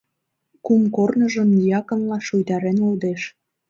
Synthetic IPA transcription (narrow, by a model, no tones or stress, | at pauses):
kumkornə̆ʒə̆mjɑkə̆nlɑʃujt̪ɑɾenuld̪eʃ